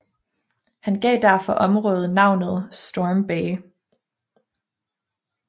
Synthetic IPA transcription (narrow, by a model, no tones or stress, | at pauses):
hænɡ̥ɛ̰ːd̥æɐ̰fɒ̽ʔɒ̽mʁɔ̽ːð̩ˠnɑ̈ʊ̰nð̞̩ˠsd̥omb̥ɛː